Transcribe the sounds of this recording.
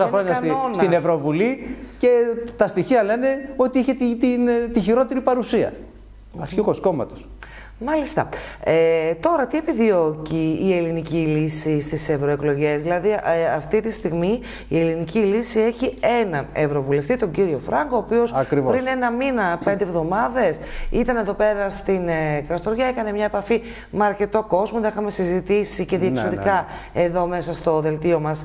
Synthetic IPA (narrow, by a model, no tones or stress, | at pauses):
sɐxɾoɲɐsonsɐinevɾovulice̞t̪ɐst̪içiɐle̞ne̞o̞t̪iiçet̪it̪int̪içiɾo̞t̪e̞ɾipɐɾusiɐ̰ | ɐokosko̞mɐ̰t̪os | mɐlist̪ɐ̰et̪o̞ɾɐt̪ie̞piðio̞ciːe̞linicilisist̪ise̞vɾo̞e̞klo̞ʝe̞zðilɐðiɐft̪it̪ist̪iɣmi | ie̞linicilisie̞çie̞nɐnevɾo̞vule̞ft̪it̪o̞ɲɟiɾio̞fɾɐŋɡo̞oːpio̞sɐkɾivpɾine̞nɐminɐpe̞nd̪evðo̞mɐðe̞sit̪ɐneðo̞pe̞ɾɐst̪inkɐst̪oɾʝɐekɐne̞mɲɐepɐfi | meɐɾce̞t̪o̞ko̞zmot̪ixɐme̞sizit̪isice̞ðiekssoɾikɐ | e̞ðo̞me̞sɐst̪o̞ðe̞lt̪io̞mɐs